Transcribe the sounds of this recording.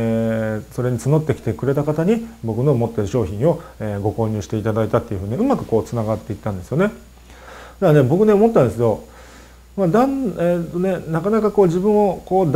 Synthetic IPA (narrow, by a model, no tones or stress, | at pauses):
eso̞ɾe̞ɲ̟it͡sɨno̞t̪ːe̞kʲi̥t̪ekɯ̟ɾe̞t̪akat̪aɲ̟ibo̞kɯ̟no̞mo̞t̪ːe̞ɾɯ̟ɕo̞ːçĩɰ̃o̞eɡo̞ko̞ːɲ̟ʲɨːɕi̥t̪e̞it̪ad̪ait̪at̪ːe̞iɯ̟ɸɯ̟ɲ̟iɯ̟makɯ̟̥ko̞ːt͡sɨnaɡat̪ːe̞it̪ːãnd̪e̞sɨjo̞ne̞ | d̪̥ane̞bo̞kɯ̟ne̞omo̞t̪ːãnd̪e̞s̬ed̪o̞ | mad̪ãneːt̪ːo̞ne̞nakanakako̞ːʑibɯ̟̃ɰ̃o̞koːd̪